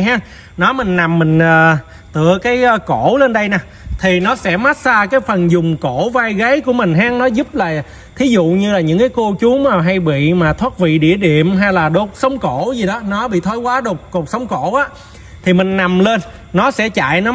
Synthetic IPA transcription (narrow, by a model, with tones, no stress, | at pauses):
ɦaː˨˧˦ŋ | nɔ˨˦mï˨˩ŋ̟na˨˩mːï˨˩ŋ̟əː˨˩ | t̪ɨ̰˧˨əkaː˨˦jko˧˩˨le˧nɗə˧jnaː˨˩ | t̪ʰi˨˩nɔ˨˦sɛ̰˧˥ma˦˥t̚saː˧kaː˨˦jfə˨˩nzʊ˨˩ŋ͡mko˧˩˨vaː˧jɣə˨˦jku˧˩əmï˨˩ŋ̟ɦaː˨˦˥ŋnɔ˨˦zu˦˥p̚laː˨˩ | t̪ʰi˨˦zṵ˧˨ɲɨ˧laː˨˩ɲɨ̰˧˥ŋkaː˨˦jko˧t͡ɕu˨˦ŋ͡maː˨˩ɦa˧jɓḭ˧˨maː˨˩t̪ʰwaː˦˥t̚vḭ˧˨ɗḭ˧˩əɗḭ˧˨əmɦa˧jlaː˨˩ɗo˨˩t̚sə˨˦wŋ͡mko˧˩˨zi˨˩ɗɔ˨˦nɔ˨˦ɓḭ˧˨t̪ʰɔ˨˦jkwaː˨˦ɗo˨˩k͡p̚ku˨˩t̚sə˨˦wŋ͡mko˧˩˨ʔaː˨˦ | t̪ʰi˨˩mï˨˩ŋ̟na˨˩mle˧nː | nɔ˨˦sɛ̰˧˥t͡ɕa̰ː˧˨jnɔ˨˦